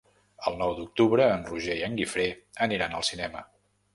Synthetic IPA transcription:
əlˠnɔwd̪uk̚t̪uβɾəːnruʒejəŋɡifɾeəniɾanə̰lˠsinɛmə

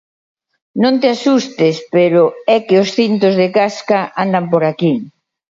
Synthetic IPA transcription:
nõnt̪ɪasust̪ɪspeɾʊɛkɪosθint̪ozðɪkaskaʔand̪ampoɾaki

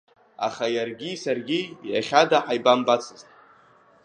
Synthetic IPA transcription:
a̰χajarɡʲisarɡʲija̰χʲadaħajbambat͡sʰɨztʼ

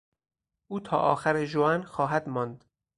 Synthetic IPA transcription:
ʔuːt̪ʰɒ̰ːʔɒ̰ːxæɾeʒoænxɒːɦæd̪mɒːnd̪̥

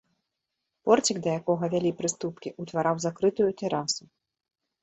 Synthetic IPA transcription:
pɔrt͡sʲiɡd̪ɐjakɔɣɐvʲalʲipɾɨst̪upkʲiʔut̪vaɾawzakɾɨt̪ujut̪ɛɾasu

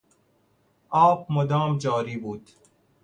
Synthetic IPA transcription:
ɔːb̚mod̪ɑːmd͡ʒɑːɾiːbuːd̪̥

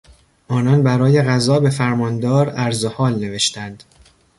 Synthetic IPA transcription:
ʔɒːnɒnbæɾɒːje̞ɣæzɒːbe̞fæɾmɒːnd̪ɒːɾæɾzohɒːlne̞ve̞ʃt̪ænd̪̥

